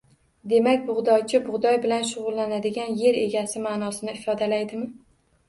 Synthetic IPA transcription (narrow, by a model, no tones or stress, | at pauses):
d̪e̞makʲbʊʁd̪ɒjt͡ʃʰɪbʊʁd̪ɒjbɪlanʃʊʁʊlˠːanad̪ɪɡʲanje̞ɾe̞̰ɡʲasɪmaːnɒsɪnɪɪfɒd̪alajd̪ɪmɪ